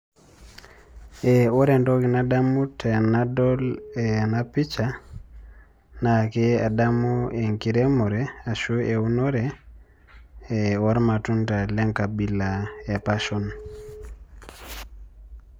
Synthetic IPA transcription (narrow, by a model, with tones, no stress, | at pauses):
ɛo˦ɾɛndoki˨na˦da˦mu˦tʰe˨nadɔlɛnapi˦t͡ʃa | nakea˨da˦mu˦e˨ŋki˨ɾe˦mo˨ɾɛa˨ʃuʔe˨u˦noɾɛ | ewo˦ɾmatu˦nta˨lɛ˦ŋka˨bi˦laja˨paʃɔn